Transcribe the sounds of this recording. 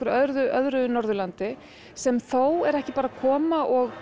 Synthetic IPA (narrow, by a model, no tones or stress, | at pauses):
ʏɾœðɾðʏʔœðɾʏnɔɾðʏlant̪ɪ | sɛmθowɛɾɛhcɪpaːɾakʰɔːmaʔɔɣ